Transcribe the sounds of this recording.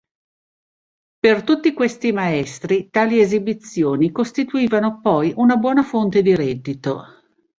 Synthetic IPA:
pert̪ut̪ːikwest̪imaɛst̪ɾit̪aːliezibit̪sːjoːnikost̪it̪uiːvanopɔjʔunabwɔːnafont̪ed̪iɾɛd̪ːit̪o̰

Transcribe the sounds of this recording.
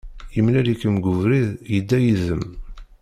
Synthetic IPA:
əmlælikːəmɡʊvɾiðjəd̪ːæjiðəm

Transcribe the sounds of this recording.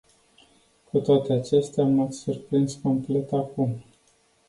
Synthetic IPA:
kut̪oat̪e̞at͡ʃe̞st̪eaːmat̪surpɾinsko̞mple̞t̪akum

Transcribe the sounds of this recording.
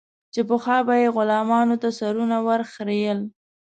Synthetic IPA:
t͡ʃepəxɑbajeɣʊlɑmɑnot̪asaɾunawaɾxɾejəl

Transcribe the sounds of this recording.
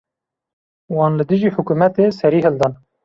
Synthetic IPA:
wɑːnlɨd̪ɨʒiːħʊkuːmɛt̪eːsɛɾiːɦɨld̪ɑːn

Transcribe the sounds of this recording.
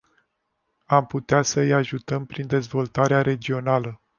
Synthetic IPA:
amput̪easəɨjaʒut̪əmpɾind̪e̞zvo̞lt̪aɾeaɾe̞d͡ʒio̞nalə

